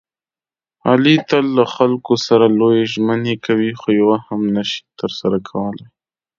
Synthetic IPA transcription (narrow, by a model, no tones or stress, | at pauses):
a̰lit̪əlːaxalkosaɾalojeʒmənekʰawixojawahamnaʃi̥t̪əɾsaɾakʰawəlaj